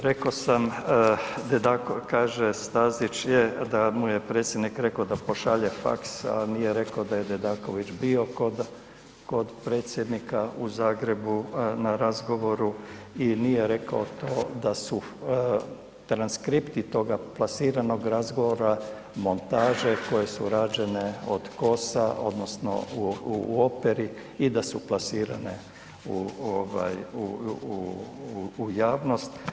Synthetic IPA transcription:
ɾekosam | d̪ed̪aːkokaːʒest̪azit͡ʃjed̪amujepɾe̞ːt̪sje̞d̪nikɾe̞kod̪apo̞ʃaʎefa̰ksa̰nijeɾe̞kaod̪ajed̪ed̪aːko̞ʋit͡ʃbio̞kod̪ | ko̞d̪pɾe̞ːt̪sje̞d̪nikauzaːɡɾe̞bunaɾazɡo̞ʋo̞ɾuinije̞ɾe̞kaot̪o̞ːd̪asu | t̪ɾanskɾipt̪it̪o̞ːɡaplˠasiːɾano̞ɡɾazɡo̞ʋoɾa | mo̞nt̪aːʒe̞ko̞je̞suɾaːd͡ʒe̞ne̞o̰d̪̥ko̞sao̞̰d̪no̞sno̞̰uuo̞peɾi | id̪asuplasiːɾa̰nḛ | uoʋa̰ju | ujaːʋno̞st̪

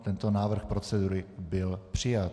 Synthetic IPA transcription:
t̪ɛnt̪o̞naːvr̩xpɾo̞t͡sɛduɾɪbɪlpr̝̥ɪjat̪

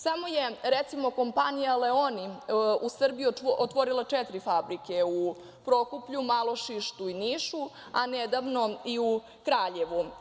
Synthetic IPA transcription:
samo̞jeɾet̪simo̞ko̞mpanijaleoniusr̩bijuot̪ʋoɾilˠat͡ʂɛt̪ɾifabɾikeu | pɾokupʎumalˠo̞ʃiʃt̪uiniʃu | aned̪aʋnoiu | kɾaːʎeʋu

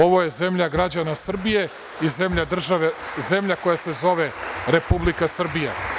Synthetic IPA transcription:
o̞ʋo̞jeze̞mʎaɡɾad͡ʑanasr̩bije̞ | ize̞mʎad̪r̩ʒaʋeze̞mʎakojase̞zo̞ʋe̞ɾe̞publikasr̩bija̰

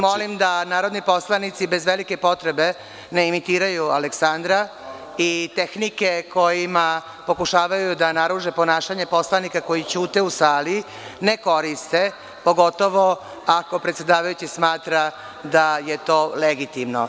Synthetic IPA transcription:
molimd̪anaːɾod̪nipo̞slanit̪sibe̞zʋelike̞po̞t̪ɾebe̞ | neimit̪iːɾajualeksand̪ɾa | it̪e̞xnike̞ko̞jima | po̞kuʃaːʋajud̪anaɾuʒepo̞naːʃaɲe̞po̞slanikako̞jit͡ɕuːt̪e̞usaːli | ne̞ko̞ɾist̪e̞ | po̞ɡo̞t̪o̞ʋo̞ | ako̞pɾet̪sje̞d̪aːʋajut͡ɕismaːt̪ɾa | d̪aje̞t̪o̞ːleɡit̪imno̰

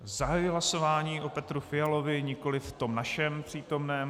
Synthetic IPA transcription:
zaɦajɪɦlaso̞vaːɲiːʔopɛt̪ɾufɪjalo̞vɪɲɪko̞lɪft̪o̞mnaʃɛmpr̝̥iːt̪o̞mnɛːm

